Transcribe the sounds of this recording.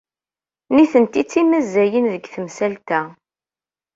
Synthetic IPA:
niθənt̪it͡sːimæzːæjənðəɡθəmsælt̪æ

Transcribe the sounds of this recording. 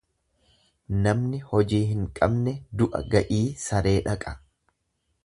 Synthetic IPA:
nɐmnɪhɔd͡ʒiːɦɪŋkʼɐbnɛd̪ʊʔɐ̰ɡɐʔiːsɐɾe̞ːᶑɐkʼɐ

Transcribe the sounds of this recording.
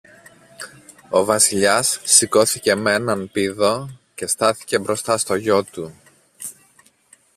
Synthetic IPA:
o̞vɐsiʎɐsːiko̞θice̞menɐnpiðo̞ce̞st̪ɐθi̥ce̞bɾo̞st̪ɐst̪o̞ʝo̞t̪u

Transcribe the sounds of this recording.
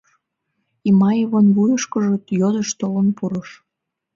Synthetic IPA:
imɑjəβonβujəʃkəʒət̪jod̪əʃt̪olənpuɾəʃ

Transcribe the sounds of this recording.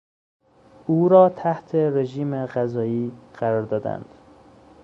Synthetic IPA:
ʔuːɾɒːt̪ʰæht̪ʰeɾeʒiːmeɣæzɒːiːɢ̥æɾɒːɾd̪ɒːd̪æ̰nd̪̥

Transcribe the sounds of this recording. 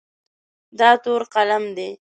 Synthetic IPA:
d̪ɑt̪oɾqalamd̪e

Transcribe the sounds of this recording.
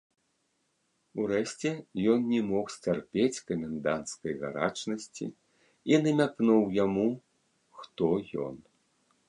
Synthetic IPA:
uɾɛɕʲt͡sʲɛjɔnnʲɛmɔxsʲt͡sʲarpʲet͡sʲkɐmʲɛnd̪ant̪skɐjɣa̰ɾa̰t͡ʂnɐsʲt͡sʲḭ | inɐmʲaknuwjamu | xt̪ɔjɔ̰n

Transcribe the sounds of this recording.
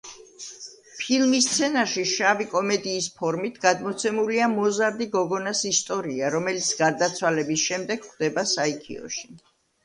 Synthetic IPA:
pʰilˠmist̪sʰɛnaɾʃiʃavikʼɔmɛd̪iːspʰɔɾmit̪ʰɡad̪mɔt̪sʰɛmuliamɔzaɾd̪iɡɔɡɔnasist̪ʼɔɾiaɾɔmɛlit̪sʰɡ̥aɾd̪at̪sʰwalɛbisʃɛmd̪ɛɡ̥χd̪ɛbasaikʰḭɔ̰ʃi̥

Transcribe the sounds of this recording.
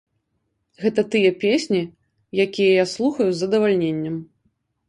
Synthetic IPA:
ɣɛt̪ɐt̪ɨjɐpʲesʲnʲi | jakʲijɐjaslˠuxɐjuzːɐd̪ɐvalʲnʲenʲːɐm

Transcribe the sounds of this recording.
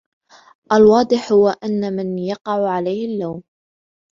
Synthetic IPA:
ʔalwɑːd̪ˤɨħhʊwaʔanːamɪnjɑqɑʕʕalajhɪlːawm

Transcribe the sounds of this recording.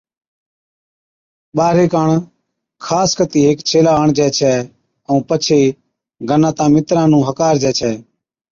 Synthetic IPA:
ɓaːɾeːkaːɳ | kʰaːskət̪iːɦeːkt͡ʃʰeːlaːəɳd͡ʒɛːt͡ʃʰɛː | əũːpət͡ʃʰeː | ɡʱənãːt̪ãːmɪt̪ɾãːnũːɦəkaːɾd͡ʒɛːt͡ʃʰɛː

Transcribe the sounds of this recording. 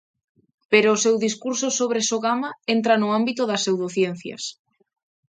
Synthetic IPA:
peɾoːsewðiskuɾsosoβ̞ɾesoɣamaent̪ɾanʊambit̪ʊðɐsewðoθjen̟θjɐ̰s

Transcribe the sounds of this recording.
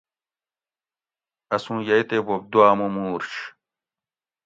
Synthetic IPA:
ɐsũːjɐjt̪ebob̚d̪uaːmumuːɾɕ

